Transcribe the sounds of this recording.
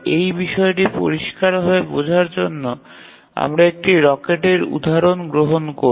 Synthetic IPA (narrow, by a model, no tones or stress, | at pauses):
ejbiʃɔeʈipo̰ɾiʃkaɾɦoebod͡ʑʱaɾd͡ʑonːo | a̰mɾaek̚ʈiɾɔkeʈeɾṵd̪ʱaɾonɡɾoɦonko